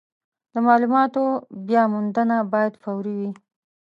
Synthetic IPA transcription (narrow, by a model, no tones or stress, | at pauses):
d̪əmɑlumɑt̪objɑmʊnd̪ənabɑjad̪fawɾiwi